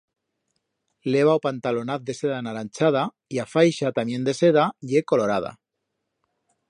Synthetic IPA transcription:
le̞β̞aopant̪alonaθ̚d̪e̞seðanaɾanʲt͡ʃað̞a | iafajʃat̪amje̞nd̪e̞se̞ð̞aʎeko̞lo̞ɾað̞a̰

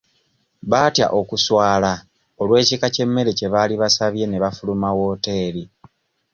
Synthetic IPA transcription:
βaːtja̰ʔo̞kuswaːla | olwe̞ːcikace̞mːe̞ɾece̞βaːliβasaβje̞ne̞βafulumawo̞ːte̞ːɾi

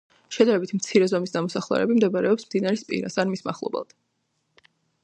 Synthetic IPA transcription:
ʃɛd̪aɾɛbit̪ʰmt̪sʰiɾɛzɔmisd̪amɔsaχlˠɛ̰ɾɛ̰bimd̪ɛbaɾɛɔpsmd̪inaɾɛspʼḭɾa̰sanmisma̰χlˠɔ̰bɛ̰lˠd̪̥

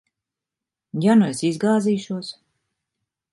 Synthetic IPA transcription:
januesizɡaːziːʃuɔs

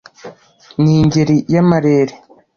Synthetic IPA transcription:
niɲɟeɾijamaɾeːɾe

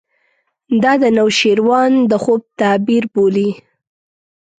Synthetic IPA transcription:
d̪ɑd̪ənawʃeɾwɑnd̪əxob̚t̪ɑbiɾboli

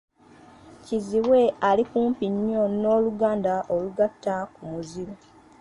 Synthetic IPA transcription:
ciziwe̞alikuːmpiɲːo̞no̞ːluɡaːndaʔo̞luɡatːakumuziɾo

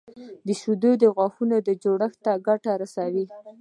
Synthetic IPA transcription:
d̪əʃud̪od̪əɣwɑxunod̪əd͡ʒoɽəxt̪aɡaʈaɾasawi

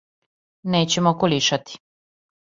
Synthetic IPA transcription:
neːt͡ɕemokoliʃat̪i̥

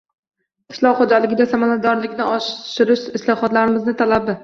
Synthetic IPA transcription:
qʰɪ̥ʃlˠɒqχod͡ʒalɪɡʲɪd̪asamanad̪ɒɾlɪkʲnɪɒʃʃɪɾɪʃɪslɒhɒt̪laɾɪmɪznɪt̪ʰalabɪ

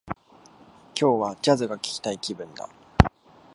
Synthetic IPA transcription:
kʲʰo̞ːβad͡ʑazɨɡakʲi̥kʲi̥t̪aikʲibɯ̟̃nd̪a̰

